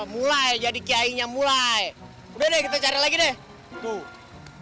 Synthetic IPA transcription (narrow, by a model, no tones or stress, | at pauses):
mulaed͡ʒadikiaiɲamulae | udɛdɛkit̪at͡ʃaɾilaɡidɛ | t̪u